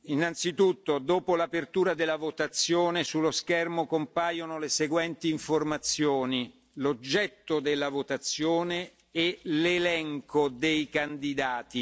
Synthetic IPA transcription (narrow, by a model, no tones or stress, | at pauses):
inːant̪sit̪ut̪ːod̪oːpolapert̪uːɾad̪elːavot̪at̪sːjoːnesulːoskɛrmokompaːjonoleseɡwɛnt̪iːɱformat̪sjoːni | lod͡ʒːɛt̪ːod̪elːavot̪at̪sːjoːneː | lelɛŋkod̪ejkand̪id̪aːt̪i